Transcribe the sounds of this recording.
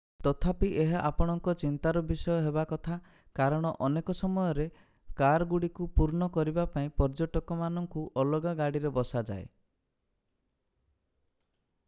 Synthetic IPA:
t̪ɔt̪ʰapiʔeɦaʔapɔɽ̃ɔŋkɔt͡ʃint̪aɾɔbisɔjɔɦebakɔt̪ʰa | kaɾɔɽ̃ɔʔɔnekɔsɔmɔjɔɾe | kaɾɔɡuɽikupuɾɳɔkɔɾibapaĩpɔɾd͡ʒoʈɔkɔmanɔŋkuʔɔlɔɡaɡaɽiɾebɔsad͡ʒa̰e

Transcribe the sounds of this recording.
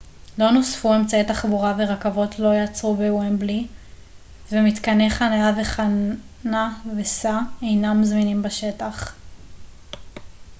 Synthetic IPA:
lo̞nosfue̞mt͡saet̪aχbuʁaveʁakavo̞tʰlo̞jat͡sʁubewenbli | vemit̪kaneχanajave̞χa | navesaejnamzminimbaʃetaχ

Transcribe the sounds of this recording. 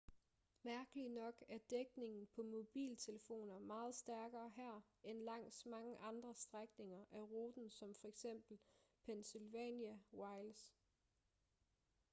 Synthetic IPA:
mæɐɡ̥əlinɒ̽ɡ̥æɐd̥eɡ̥ne̝ŋn̩pʰɒ̽mo̝b̥ḭːlt͡sʰe̝ləfo̝̰ːnɐmɑ̈ːð̞̩ˠsd̥æɐɡ̥ɐːɦæɐ̰ | enlɑ̈ŋ̰smɑ̈ŋəʔɑ̈nd̥ʁɐsd̥ʁaɡ̥ne̝ŋɐʔæʁoːd̥n̩sɒ̽mfɒ̽eɡ̥sem̰b̥l̩pʰensilʋɛ̰njæwɑ̈ɪls

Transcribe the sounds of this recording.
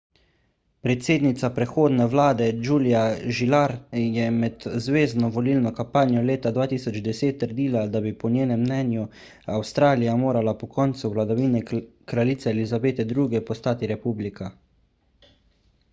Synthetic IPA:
pɾɛt̪seːd̪nit̪sapɾɛxoːd̪nɛʋlaːd̪ɛd͡ʒuːlijaʒilaɾjɛmɛd̪zʋeːznɔʋɔliːlnɔkampaːnjɔleːt̪ad̪ʋaːt̪iːsɔd͡ʒd̪ɛseːt̪ːəɾd̪iːlad̪abipɔnjeːnɛmːnɛnju | awst̪ɾaːlijamoːɾalapɔkɔːnt̪suʋlad̪aʋinɛkɾaliːt̪sɛɛlizabeːt̪ɛd̪ɾuːɡɛpɔst̪aːt̪iɾɛpuːblika

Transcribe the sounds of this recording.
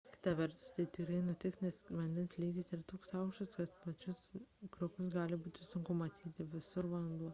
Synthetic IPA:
kʲɪ̥t̪ɐʋʲɛɾt̪ʊ̥st̪ɐɪt̪ʲɪkɾɐɪnʊt̪ʲɪknʲɛsʋɐnʲd̪ʲɛnslʲiːɡʲɪsɪɾt̪oːksɑʊkʃt̪ɐskɐt̪pɐt͡ʃʲʊskɾokʊsɡɑːlʲɪbuːt̪ʲɪsʊŋkʊmɐt̪ʲiːt̪ʲɪʋʲɪsʊɾʋɐlˠnd̪uɔ

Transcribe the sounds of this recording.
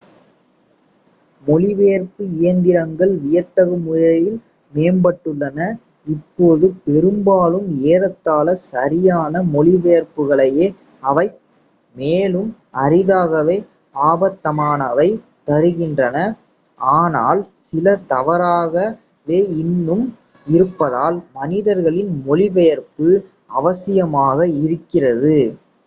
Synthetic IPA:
mɔɭɪʋeːɾpɯɪjɐnd̪ɪɾɐŋɡɐɭʋɪjɐt̪ːɐɣɯmʊjɐɾɐjɪl | meːnbɐʈːɯɭːɐnɐ | ɪpːoːðɯpɛɾɯmbaːlɯmeːɾɐt̪ːaːlɐsɐɾɪjaːnɐmɔɭɪʋeːɾpɯɣɐɭɐjeː | ɐʋɐɪ | meːlɯm | ɐɾɪðaːɣɐʋeː | aːbɐt̪ːɐmaːnɐʋɐɪ | t̪ɐɾɯɣɪndrɐnɐ | aːnaːlsɪlɐt̪ɐʋɐɾaːɣɐ | ʋeːɪnːɯm | ɪɾɯpːɐðaːlmɐnɪðɐɾɣɐɭɪnmɔlɪʋɐjɐɾpɯ | ɐʋɐsɪjɐmaːɣɐɪɾɯkːɪrɐðɯ

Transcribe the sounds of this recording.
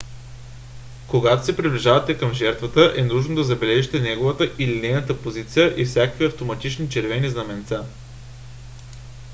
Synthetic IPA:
koɡat̪o̥sɛpɾiblʲiʒavɐt̪ɛkəmʒɛɾt̪vət̪əʔɛnɾuʒnod̪ɐzɐbɛlɛʒit̪ɛnɛɡovət̪əʔilinɛjnət̪əpozit̪sijəʔifsʲjakəviɐft̪omɐt̪it͡ʃnit͡ʃɛɾvɛniznɐmɛnt̪sa

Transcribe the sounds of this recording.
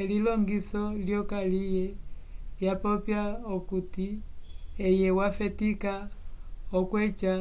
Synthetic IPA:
ɛlilɔŋɡisɔljɔkalijɛljapɔpjaɔkuti | ɛjɛwafɛtika | ɔkwɛt͡ʃa

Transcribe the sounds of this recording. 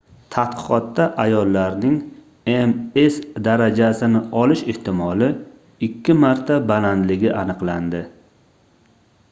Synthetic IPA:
t̪ʰat̪qɨ̥qɒt̪ːaʔajɒlːaɾnɪŋ | emesd̪aɾad͡ʒasɪnɪɒlɪʃeht̪ɪmɒlɪ | ɪkʲʰːɪmaɾt̪ʰabaland̪lɪɡʲɪʔanɨqland̪ɪ

